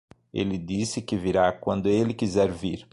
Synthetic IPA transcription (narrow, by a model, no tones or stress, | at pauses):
ḛlɪd̪isɪkɪviɾakwɐ̃nd̪ʊelɪkizɛɾviɾ